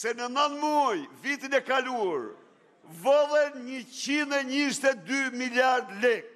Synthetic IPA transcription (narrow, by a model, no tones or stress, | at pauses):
sɛnənənmuajvit̪inɛkaluaɾ | vɔlˠɛnɲət͡ɕinɛɲist̪ɛd̪ymiljaɾd̪lɛk̚